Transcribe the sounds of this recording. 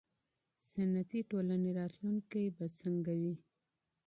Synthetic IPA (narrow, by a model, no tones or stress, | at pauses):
sanat̪iʈolaneɾɑt̪lunkajbat͡səŋɡawi